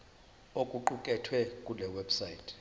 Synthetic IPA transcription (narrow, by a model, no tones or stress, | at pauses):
okʼuǃukʼɛtʰwɛkʼulɛwɛbsaitʰ